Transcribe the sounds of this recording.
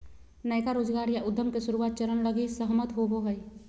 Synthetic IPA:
nəjkaɾoːd͡ʒɡaːɾjaʔʊd̪ʱːəmkesʊɾuwaːt̪̚t͡ʃəɾənləɡisəɦmət̪ɦoɦoɡəi

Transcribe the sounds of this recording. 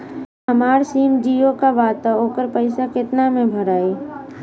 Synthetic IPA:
əmaːɾsiːmd͡ʒiːokaʋaːt̪aoːkəɾpəɪsakɪt̪namẽbʱəɾaːeː

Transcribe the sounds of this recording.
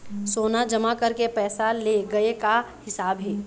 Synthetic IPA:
soːnad͡ʒɐmakɐɾkepɛːsaleɡɐeka | hɪsaːbɦɛː

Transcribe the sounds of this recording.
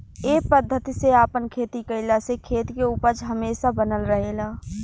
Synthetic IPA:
eːpəd̪ʱːət̪iseaːpənkʰeːt̪ikəɪlasekʰeːt̪keuːpəɾd͡ʒɦəmeːsabənəlɾəɦelaː

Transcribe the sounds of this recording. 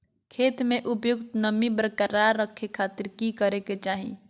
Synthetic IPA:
kʰeːt̪mẽʔʊpjʊkt̪nəmibɾəkəɾaɾːəkʰːekʰːaːt̪ɪɾkikəɾeket͡ʃaːɦḭ̃

